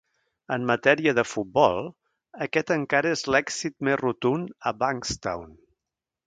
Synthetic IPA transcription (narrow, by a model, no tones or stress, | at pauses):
əmːət̪ɛɾiəðəfut̪̚bɔlˠ | əkɛt̪əŋkaɾəezlɛksit̪mezrut̪unəbaŋkst̪a̰wn